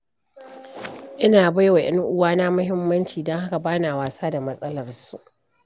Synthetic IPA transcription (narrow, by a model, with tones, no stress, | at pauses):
ʔɪ˦naː˨ba˦jwa˨ʔɐ˦ŋʔʊ˦waː˦na˦mʊ˦hɪ˦mːɐ˦nt͡ʃiː˨dɐ˦ŋha˦ka˨baː˦naː˨waː˨saː˦da˨mɐ˦sʼɐ˦lɐ˨rsu˦ʔ